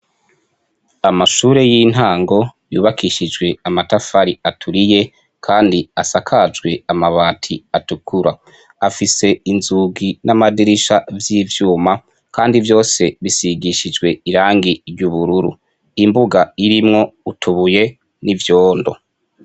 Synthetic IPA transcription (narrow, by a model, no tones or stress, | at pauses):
amaʃuːɾe̞jiːn̥haːŋɡo̞juːβakiʃid͡ʒɡwe̞amatafaɾiatʰuɾije̞ | kʰaːndiasakʰad͡ʒɡwe̞amaβaːtʰiatukʰuɾa | afise̞inzuɡinamadiɾiʃavjiːvjuːma | kaːndivjo̞ːse̞βisiɡiʃid͡ʒɡwe̞iɾaːŋɡiɾjuβuɾuɾṵ | imbuɡaiɾimŋo̞utʰuβuje̞ | nivjoːndo̞̰